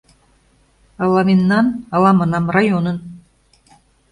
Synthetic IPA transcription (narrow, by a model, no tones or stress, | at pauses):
ɑlɑminːɑnɑlɑmɑnɑmrɑjonən